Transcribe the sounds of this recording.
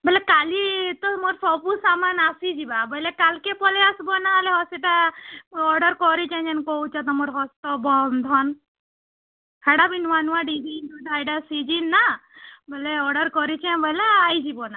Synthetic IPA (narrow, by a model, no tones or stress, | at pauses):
bəlekalit̪ɔmoɾpɔpusamanasid͡ʒibabɔlekalkepɔleasbɔnaleɦɔsiʈa | ɔɾɖɔɾkɔɾit͡ʃɛ̃d͡ʒɛnkɔut͡ʃat̪̬ɔmɔɾɦɔst̪ɔbɔnd̪ʱɔn | hɛɽabinʋanuwaɖid̪int̪ud̪ajɖasid͡ʒinːabəleɔɾɖɔɾkɔɾit͡ʃʰɛ̃bəleajd͡ʒibɔna